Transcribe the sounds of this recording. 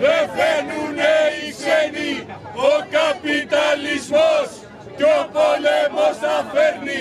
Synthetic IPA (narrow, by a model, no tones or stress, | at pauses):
epenuneikeni | okapit̪alismos | kopolemosaːpʰeɾni